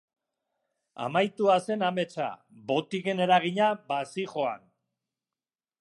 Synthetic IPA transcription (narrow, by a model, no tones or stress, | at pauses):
a̰majt̪uase̞name̞t͡ʃa̰ | βo̞t̪ike̞ne̞ɾaɣ̞iɲabasixo̞a̰n